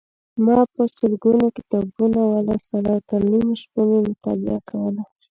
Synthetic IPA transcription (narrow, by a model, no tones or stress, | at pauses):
mɑpəsəlɡunokɪt̪ɑbunawalasaɽɑwt̪aɾnimʃpəmemʊt̪ɑ̰lɪ̰akawəla